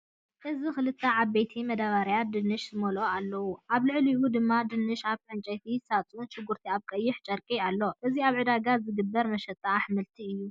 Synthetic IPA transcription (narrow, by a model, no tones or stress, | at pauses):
ʔɨzixɨlɨt̪ʰːɐʕaβbejt̪ʰimɐd̪aβaɾjad̪ɨnːɨʃzɨmɐloalːɐwuʔaβlɨʕliʔud̪ɨmːad̪ɨnːɨʃaβʼɨnt͡ʃʼɐjt̪ʰisat͡sʼunt͡ʃɨɡːuɾt̪ʰiaβkʼɐjːɪħt͡ʃʼɐɾkʼialːo̞ʔɨziaβʕɨd̪aɡazɨɡɨbːɐɾmɐʃɐt̪ʼːaħmɨlt̪ʰiɨjːu